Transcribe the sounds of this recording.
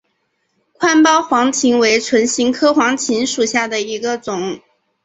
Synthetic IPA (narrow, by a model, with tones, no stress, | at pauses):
kʰwa˥npɑ˥ʊxwɑ˧˥ŋt͡ɕʰi˧˥ŋwe˧˥ɪt͡sʰwə˧˥nɕi˧˥ŋkʰɤ˥xwɑ˧˥ŋt͡ɕʰi˧˥ŋʂu˨˩ɕja˥˩d̪ə˩i˧˥ɡə˧t͡sʊ˨˩˦ŋ